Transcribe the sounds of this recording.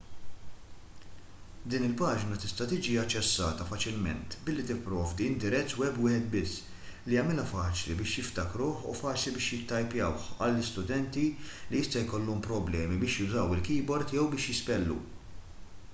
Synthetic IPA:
d̪iːnɪlpɐːd͡ʒnɐt̪ɪst̪ɐt̪ɪːd͡ʒiɐt͡ʃːɛsːɐːt̪ɐfɐt͡ʃɪlmɛ̰nt̪bɪlːit̪ɪpːɾɔːvd̪iɪnd̪ɪɾɛt̪ːwɛbwɪːħɛt̪̚bɪsː | liɐmɪlɐfɐːt͡ʃlḭbɪːʃjɪft̪ɐkɾuːħṵfɐːt͡ʃlibɪːʃjɪt̪ːɐjpjɐwħɐlːɪst̪ʊd̪ɛnt̪iliɪst̪ɐjkɔlːumpɾɔblɛːmibɪːʃjʊzɐwɪlkiːbɔɾt̪jɛwbɪːʃjɪspɛlːṵ

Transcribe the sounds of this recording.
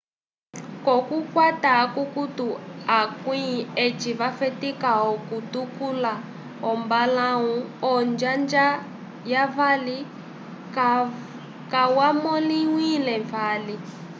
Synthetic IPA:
kɔkukwataːkukutuakuiet͡ʃiβafɛtikaɦɔkutukula | ɦɔmbalaɦuɔnd͡ʒand͡ʒa | javali | kawamoliwilɛɱvaːli

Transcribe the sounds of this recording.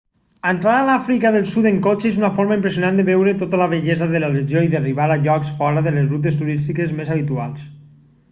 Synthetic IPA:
ant̪ɾaɾalafɾikaðelˠsut̪eŋkot͡ʃeezunafoɾmaimpɾes̬junand̪əβɛwɾet̪ot̪alaβeʎezaðəlaleʒjoiðəriβ̞aɾaʎɔksfɔɾaðəlezrut̪̬est̪uɾist̪ikezmezaβ̞it̪ua̰lˠs

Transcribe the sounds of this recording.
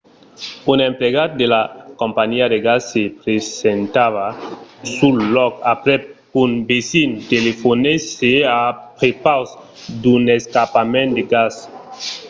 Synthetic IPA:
unempleɣat̪̚d̪elakompaɲiad̪eɡasːepɾesent̪aβasulːɔkapɾɛ | unbesint̪elefoneseapɾepawsd̪uneskapamẽnt̪d̪eɡas

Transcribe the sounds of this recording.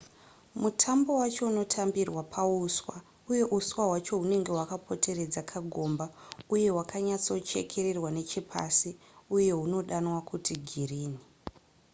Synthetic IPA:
mutʰambo̞wat͡ʃouno̞tʰambirwapʰauswa | uje̞ʔuswaɦwat͡ʃo̞ɦune̞ŋɡe̞ɦwakapʰo̞te̞re̞d͡zakʰaɡʱo̞ːmbauje̞wakʰaɲat͡so̞t͡ʃe̞̰kʰe̞ɾe̞rwane̞t͡ʃipʰa̰si | uje̞ɦuno̞ɗanwakʰutʰiɡʱiriːni

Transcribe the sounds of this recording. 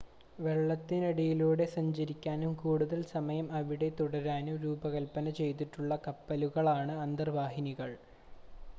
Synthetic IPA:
ʋe̞ɭːɐt̪ːinɐɽijiluːɽe̞sɐɲd͡ʑɐɾikʲːaːnumkuːɽuðɐlsɐmɐjɐmɐʋiɽe̞t̪uɽɐɾaːnumɾuːbɐɣɐlpːɐnɐt͡ɕe̞jt̪̬iʈːuɭːɐkɐpːɐluɣɐɭaːɳɨɐnd̪ɐrʋaːɦiniɣɐɭ

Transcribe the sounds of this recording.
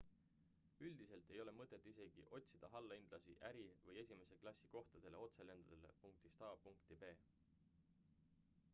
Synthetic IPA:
yld̪̥ise̞lt̪ˑe̞jo̞le̞mɤt̪ːˑe̞t̪ːˑise̞ɡ̥ḭʔo̞t̪ʲsid̪̥ɑɦɑlːɑind̪̥lɑsḭʔæɾivɤje̞sʲime̞se̞klɑsːiko̞ht̪ɑd̪̥e̞le̞o̞t̪se̞le̞nd̪̥ɑd̪̥ele̞̰puŋk̚t̪ist̪ɑːpuŋkt̪ibe̞ː

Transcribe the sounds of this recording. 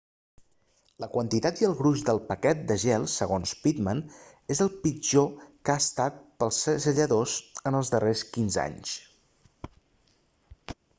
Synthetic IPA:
ləkwənt̪it̪at̪iəlˠɣɾuʒd̪əlˠpəkɛt̪̚d̪əʒɛlˠsːəɣonspit̪mən | ezəlˠpid͡ʒokast̪at̪̚pəlˠsəzəʎəðozənəlˠzðəreskinza̰ɲs

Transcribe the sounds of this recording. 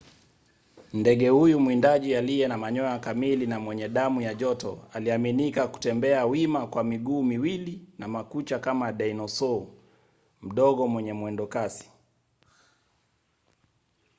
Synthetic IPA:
ndɛɠɛhujumwindaʄialijɛnamaɲɔakamilinamwɛɲɛɗamujaʄɔtɔ̰aliaminikaku̥tɛmbɛawimakwamiɠuːmiwilinamakut͡ʃakamaɗainɔsɔ | m̩ɗɔɠɔmwɛɲɛmwɛndɔkasi̥

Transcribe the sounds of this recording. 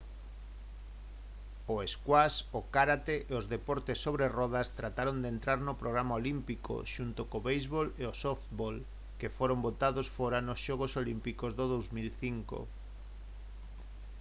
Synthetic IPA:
oeskwasokaɾat̪eʔeozðepɔɾt̪esːoβɾerɔð̞ast̪ɾat̪aɾond̪ent̪ɾaɾnopɾoɣɾamaolimpiko̰ʃunt̪okoβejzβoleosoft̪bol | kefoɾombot̪aðosfoɾanosʃɔɣosolimpikozðoðowzmilθiŋko̰

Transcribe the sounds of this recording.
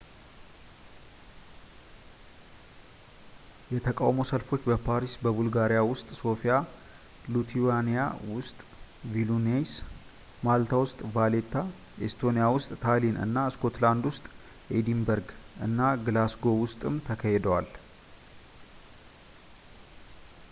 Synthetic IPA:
jɛt̪ʰəkʼa̰wmosəlfo̞t͡ʃːbəpʰaɾisbəβulɡaɾijawʊst̪ʼso̞fija | lut̪ʰiwanija̰wʊst̪ʼvilunes | malt̪ʰawʊst̪ʼvalet̪ʰːa | est̪ʰo̞nijawʊst̪ʼt̪ʰalinɨ̰nːasko̞t̪land̪wʊst̪ʼ | ʔed̪imbəɾɡʔɨ̰nːaɡɨlasɡo̞wʊst̪ʼɨmt̪ʰəkʰəhed̪əwal

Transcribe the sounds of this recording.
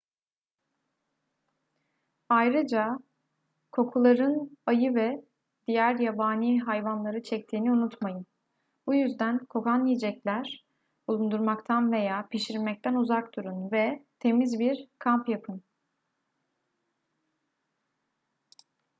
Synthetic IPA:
ajɾɯd͡ʒa | kʰo̞kʰulˠaɾɯnajɯvɛ | d̪̥ijæɾjabaːniːɦajvanlˠaɾɯt͡ʃʰɛct̪ʰiːniunut̪majɯn | bujyzd̪ænkʰo̞kanːijd͡ʒɛclʲæɾ̥ | bulˠund̪uɾmakt̪ʰanve̞jaːpiʃiɾmɛc̚t̪ʰænuzakd̪uɾunvɛt̪ʰe̞mizbiɾkʰampjapʰɯn

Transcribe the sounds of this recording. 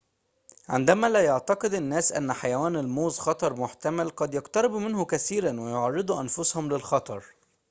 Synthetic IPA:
ʕɪ̰nd̪æmælæːjɑʕt̪ɑqɨd̪ɪnːæːsʔæ̰nːæħajæwæːnɪlmoːzxɑt̪ˤɑɾˤmʊħt̪æmælqɑd̪jɑqt̪ɑɾˤɪbmɪnhʊkæθiːɾænwejoʕɑrˤːɨd̪ˤuʔænfʊshʊmlɪlxɑt̪ˤɑɾˤ

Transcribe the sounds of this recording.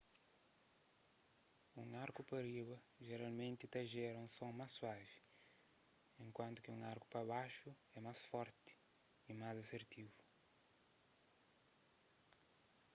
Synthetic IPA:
ũŋaɾkupɐɾiβɐ | ʒeɾalmẽnt̪it̪ɐʒɛɾɐũsõŋmaswavi | ẽŋkwɐ̃nt̪u̥kɪũŋaɾku̥pɐβaʃu | ɛmasfɔɾt̪ɪ̥ | imazɐseɾt̪ivu

